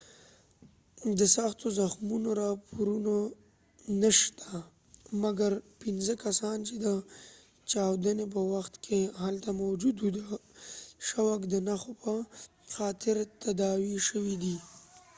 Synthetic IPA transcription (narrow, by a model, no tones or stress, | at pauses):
d̪əsɑxt̪ozaxmunoɾɑpʰoɾuno | nəʃt̪ʰa | maɡaɾpinzəkasɑnt͡ʃed̪ə | t͡ʃɑwd̪ənep̬əwaxt̪kʰehalt̪amawd͡ʒud̪ud̪a | ʃawakd̪ənaxopʰə | xɑt̪ʰɪɾt̪ad̪ɑwiʃəwid̪i